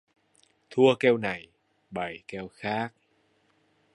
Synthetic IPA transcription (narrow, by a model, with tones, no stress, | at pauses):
t̪ʰu˧əkɛ˧wna˨˩j | ɓa˨˩jkɛ˧wxaː˦˥k̚